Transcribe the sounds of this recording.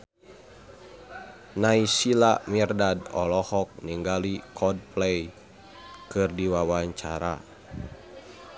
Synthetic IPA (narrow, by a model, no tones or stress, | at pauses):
naisilamirdadɔlɔhɔk̚niŋɡalikʰɔd̚plɛj | kɨrdiwawaɲt͡ʃaɾa